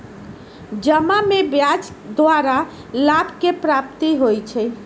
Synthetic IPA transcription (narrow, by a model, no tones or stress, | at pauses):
d͡ʒəmamebjad͡ʒd̪ʋaɾa | labkepɾapt̪iɦojt͡ʃʰɛ